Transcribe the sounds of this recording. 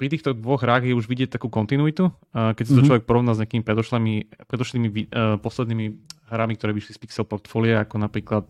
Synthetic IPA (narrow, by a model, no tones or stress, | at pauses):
pɾit̪iːxt̪ɔd̪ʋɔɣɦɾaːɣjɛuʒʋiɟɪɛc̚t̪akuːkɔnt̪inuit̪u | kɛcs̬at̪ɔt͡ʃlɔʋɛk̚pɔɾɔʋnaːzɲeakiːmipɾɛd̪ɔlɛmipɾɛd̪ɔʃliːmiʋipɔslɛd̪niːmiɦɾamik̚t̪ɔɾɛːʋiʃlispiksɛlpɔɾt̪fɔːliaakɔnapɾiːklat̪̚